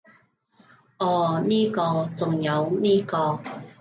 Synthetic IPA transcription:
ʔɔː˧˩niː˥kɔː˧t͡sʊ˨ŋjɐ˨˧wniː˥kɔː˧

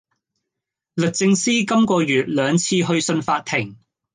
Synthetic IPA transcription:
lɵ˨k̚t͡sɪ˧ŋsiː˥kɐ˥mkɔː˧jyː˨˩t̚lœː˨˧ŋt͡sʰiː˧ɦɵ˧ɥsɵ˧nfaː˧t̚t̪ʰːɪ˨˩ŋ

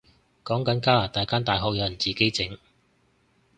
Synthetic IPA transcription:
kɔː˨˥ŋkɐ˨˥nkaː˥laː˨˩t̪aː˨˧jkaː˥nt̪aː˨jɦɔː˨k̚jɐ˨˧wjɐ˨˩nt͡siː˨˧ke˥jt͡sɪ˨˥ŋ

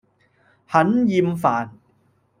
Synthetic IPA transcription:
hɐ˨˥njiː˧mfaː˨˩n

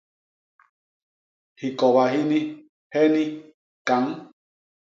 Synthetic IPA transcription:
hi˨ko˨βa˨hi˦nĩ˦ | he˦nĩ˦ | ka˨ŋ

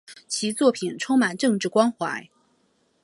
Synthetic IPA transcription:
t͡ɕʰi˧˥t͡swɔ˥˩pʰi˨˩nʈ͡ʂʰʊ˥ŋma˨˩nʈ͡ʂɤ˥˧ŋʈ͡ʂɻ̩˥˩kwɑ˥nxwa˧˥ɪ

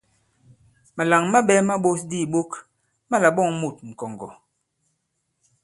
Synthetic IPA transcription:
ma˨la˨ŋma˦ɓɛ˦ma˦ɓo˦sdi˦˨ɓo˦k | ma˦la˨ɓɔ˦˨ŋmu˦˨t̚ŋ̩˨kɔ˨ŋɡɔ̰˨

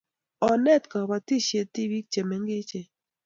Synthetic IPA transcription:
ɔ˨nɛ˦˨tka˨ba˨ti˦ʃe˨ti˦wi˦k̚t͡ʃe˨mɛ˨˦ŋɡɪ˦t͡ʃe˨

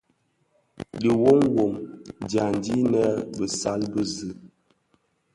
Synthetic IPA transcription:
ɗi˨wo˦ŋwo˨mdja˨n˨di˦nə˦bə˨sa˦lbə˦zɨ˨˦

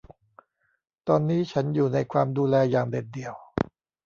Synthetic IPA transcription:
t̪ɔː˧nːiː˦˥t͡ɕʰa˦˥njuː˨˩na˧jkʰwaː˧mduː˧lɛː˧jaː˨˩ŋde˨˩t̚di˨˩əw

